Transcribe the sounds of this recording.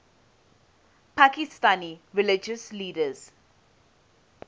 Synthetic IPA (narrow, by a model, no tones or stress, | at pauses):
pakɪstaːniʋɪlɪd͡ʒəsliːɖəz̥